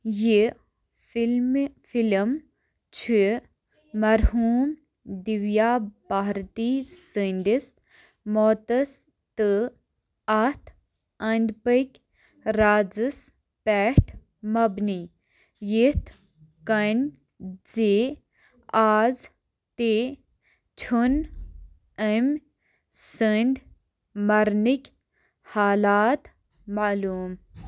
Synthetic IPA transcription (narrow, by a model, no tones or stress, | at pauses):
ji | film | t͡ʃʰi | mɐɾhuːm | d̪iʋjaːbaɦɾt̪iːsind̪is | moːt̪əs | t̪ɨ | ɐt̪ʰ | ɐnd̪pəkʲ | ɾaːd͡zɨs | pɛːʈʰ | mɐbni | jit̪ | kɐnʲ | d͡zeː | aːz | t̪e | t͡ʃʰun | əm | sɨnʲɖ | mɐɾnikʲ | haːlaːt̪ | maluːm